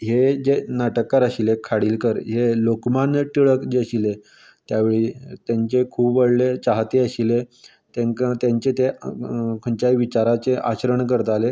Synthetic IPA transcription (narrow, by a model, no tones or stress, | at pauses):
ɦed͡ʑenaʈəkːaɾəɕilekʰaɽiːlkəɾɦelokmanʈ̪iɭəkd͡ʑeəɕile | t̪jaʋeɭiːt̪jaɲt͡ɕekʰuːbʋəɽlet͡ɕaɦt̪eəɕile | t̪eŋkat̪jaɲt͡ɕet̪e | kʰəɳt͡ɕajʋit͡ɕaɾat͡seʔa̰ɕɾəɳkəɾt̪ale